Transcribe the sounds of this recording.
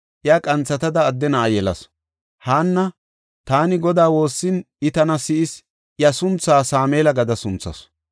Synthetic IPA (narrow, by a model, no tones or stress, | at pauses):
ʔjɐkʼɐnt͡sːɐt̪ɐd̪ɐːd̪ːɛnɐːjɛlɐ̰s | haːnːɐ | t̪aːnɪɡɔd̪aːwo̞ːsːɪn | ɪt̪ɐnɐsɪʔɪs | jɐsʊnt͡sːaːsaːmeːlɐɡɐd̪ɐsʊnt͡sːɐ̰s